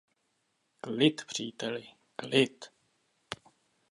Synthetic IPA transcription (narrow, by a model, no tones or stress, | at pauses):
lɪt̪pr̝̥iːt̪ɛlɪ | lɪt̪